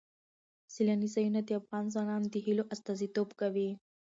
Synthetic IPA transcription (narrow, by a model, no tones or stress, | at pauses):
silanisajunad̪eafɣɑnzanɑnd̪iɦiloʔast̪ɑzit̪obkawi